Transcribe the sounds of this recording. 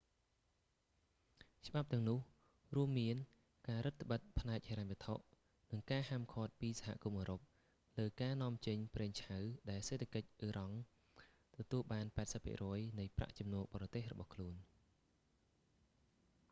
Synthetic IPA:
t͡ɕə̆ɓap̚t̪ɛ̆əŋnʊ̆əh | ruəmːiən | kaːɾɨt̪ʰːə̆ɓət̪̚pʰnaɛk̚heːɾaɲʋiət̪ʰoʔ | nɨŋkaːhaːmkʰɔːt̪̚piːsaɦa̰ʔkumʔəːɾop̚ | ləːkaːnŏəmt͡ɕəɲprɛːŋt͡ɕʰawɗaɛlseːt̪ʰakəc̚ʔiːɾɑŋ | t̪ɔt̪uəlɓaːnpaɛt̚səpʰːḭəʔrɔəjnɨjpra̰ʔt͡ɕɑmnuəɓɑːɾɑt̪eːhrɔɓɑ̰hkʰluən

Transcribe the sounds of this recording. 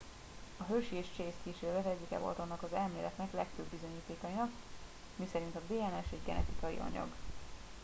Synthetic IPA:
ɒɦølʃieːʃt͡ʃeːskeːʃeːlɛt̪ɛɟːikɛ̰vo̞̰lt̪onːɒkɒzɛlmeːlɛt̪nɛklɛkføːbːizo̞ɲiːt̪eːkɒjinɒk | misɛɾint̪ɒd̪eːɛnɛʃɛɟɡɛ̰nɛ̰t̪ikɒjḭʔɒ̰ɲɒ̰ɡ

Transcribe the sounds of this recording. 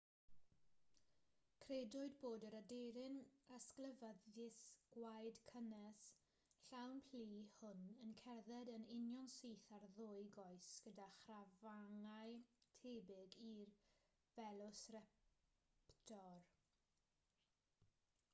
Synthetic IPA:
kʰredʊɨdboːdəɾadeɾɪnəsklˠəvəðɪsɡ̥wajdkʰənɛs | ɬawnpʰl̥iːhʊnənkʰɛrðɛdənɪnjɔnsiːθarðʊɨɡɔɨsɡ̥ədaχravaŋajtʰeːbɪɡir | vɛlˠʊsrɛ | ptʰɔr

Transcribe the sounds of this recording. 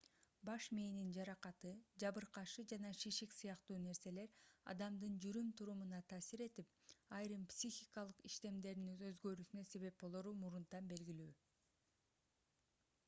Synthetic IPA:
bɑʃmeːnind͡ʒɑɾɑqɑt̪ɯd͡ʒɑβɯɾqɑʃɯd͡ʒɑnɑʃiʃiksɯjɑqt̪uːne̞ɾse̞le̞ɾɑ̰d̪ɑmd̪ɯnd͡ʒyɾymt̪ʰuɾumunɑt̪ʰɑːsiɾe̞t̪ip̚ɑjɾɯmpsʲixʲikɑlˠɯqiʃt̪e̞md̪e̞ɾinøzɡø̞ɾysynøse̞βe̞p̚bo̞lˠoɾumuɾunt̪ɑnbe̞lɡilyː

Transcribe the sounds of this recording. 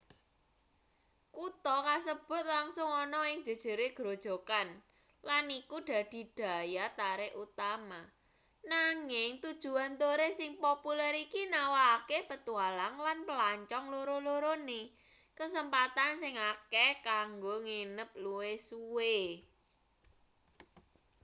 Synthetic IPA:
kut̪ɔkas̬əb̥ʊ̤t̪̚laŋsʊŋɔnɔɪŋd̥ʒ̥ə̤d̥ʒ̥ə̤ɾeɡ̥ɾo̤d̥ʒ̥o̤kan | lanikuɖ̥ä̤d̪̥i̤d̥a̤jat̪aɾeʔut̪ama | naŋɪŋt̪ud̥ʒ̥ṳant̪oɾesɪŋpopulɛɾikinawaːkepət̪ualaŋlanpəlaɲt͡ʃɔŋloɾoloɾone | kəsəmpat̪ansɪŋakɛkaŋɡoŋenəp̚luwesuwe

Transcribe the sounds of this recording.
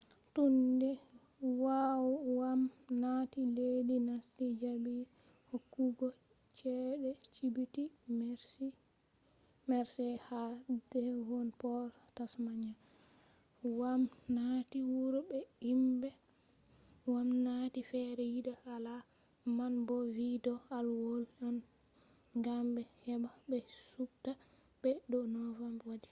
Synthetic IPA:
tundɛ | wawwamnatiledinastid͡ʒabi | hokːuɡɔ | t͡ʃɛɗɛt͡ʃibitimɾs | mɛɾsɛhadɛwɔnpɔɾtasmaɲa | wamnatiwuɾbɛimbɛ | wamnatifɛɾɛjiɗaala | manbɔvidɔalwolɔn | ŋɡambɛhɛbabɛsubta | bɛɗɔnɔvamwadi

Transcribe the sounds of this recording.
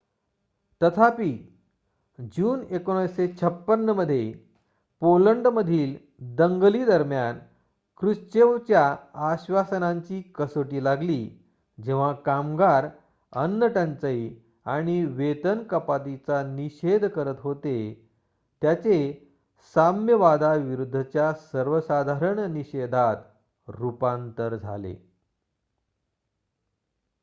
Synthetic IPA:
t̪ət̪ʰapiː | d͡ʑuːnekoɽ̃əset͡ɕʰəpːənːəməd̪ʱːje | poləɳɖməd̪ʱiːl | d̪əŋɡliːd̪əɾmjan | kɾuɕt͡ɕeʋt͡ɕjaːɕʋasənaɲt͡ɕiːkəsoʈiːlaɡliː | d͡ʑeʋ̤akamɡaɾ | ənːəʈənt͡səi | aɽ̃iʋet̪ənkəpat̪it͡saniɕed̪ʱkəɾət̪ɦot̪e | t̪jat͡se | samjəʋad̪ʱaʋiɾud̪ʱːət͡ɕjasəɾʋəsad̪ʱaɾəɳniɕed̪ʱat̪ | ɾupant̪əɾd͡zʱa̰lḛ

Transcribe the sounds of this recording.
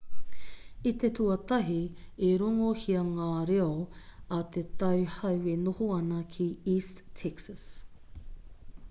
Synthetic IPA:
it̪etuɐt̪ɐɦieɾoŋohiɐŋaːɾeɐɐt̪et̪ɐwhɐwenohoɐnɐkʰiiːsttʰːɛksɐs

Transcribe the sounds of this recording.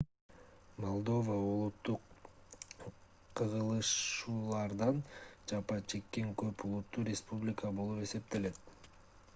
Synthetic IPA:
molˠd̪o̞vəulˠut̪ːuq | ɯʁɯlˠɯʃuːlˠɑɾd̪ɑnd͡ʒɑpɑt͡ʃʰe̞kːe̞ŋkøpulˠut̪ːuɾʲɪspublʲɪkəbo̞lˠupe̞se̞p̚t̪e̞le̞t̪̚

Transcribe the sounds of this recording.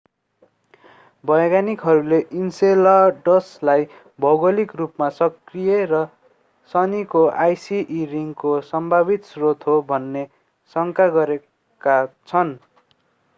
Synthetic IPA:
bʌjɡanikɦʌɾuleʔinselʌɖʌslaj | bʱʌwɡʌlikrupmasʌkrijeɾʌ | sʌnikoʔajsiʔːriŋkosʌmbʱabit̪srot̪ɦobʱʌnːe | sʌŋkaɡʌɾe | kat͡sʰʌn

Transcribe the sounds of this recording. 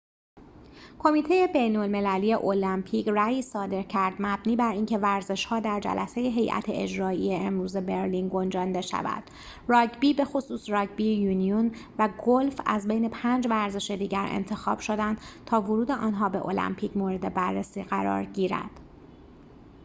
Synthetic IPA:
kʰo̞miːt̪ʰe̞je̞be̞jnolme̞læliːje̞ʔolæmpʰiːcræjiːsɒːd̪e̞ɾcʰæɾd̪mæbniːbæɾiːncʰe̞væɾze̞ʃhɒːd̪æɾd͡ʒæ̰lʔæse̞jeɦe̞jʔæ̰t̪ʰeʔed͡ʒɾɒːijeemɾuːze̞be̞ɾliːnɡo̞nd͡ʒɒnd̪e̞ʃæ̰væ̰d̪̥ | rɒːɟbiːbe̞xo̞suːsrɒːɟbijuːnionvæɡolfæ̰zbejne̞pʰæːnd͡ʒvæɾze̞ʃe̞d̪iːɟæɾʔḛnt̪ʰe̞xɒ̰ːb̥ʃod̪ænd̪̥t̪ʰɒːvoɾuːd̪e̞ʔɒːnɦɒːbe̞̰ʔo̰læ̰mpʰiːcmoːɾe̞d̪e̞bærːesiːɣæɾɒ̰ːɾɟiːɾæ̰d̪̥

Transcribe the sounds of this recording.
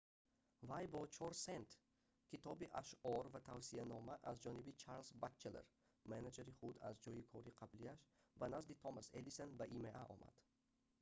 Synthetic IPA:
vajbɔt͡ʃʰɔɾsent̪ | kʰit̪ʰɔbiʔaʃɔɾvat̪ʰavsianɔmaʔazd͡ʒɔnibit͡ʃʰaɾlsbat͡ʃːelḛɾ | manad͡ʒeɾiχud̪a̰zd͡ʒɔjikʰɔɾiqʰabliaʃ | banazd̪it̪ʰɔmased̪isenbaʔimeʔaʔɔ̰mʔa̰d̪̥

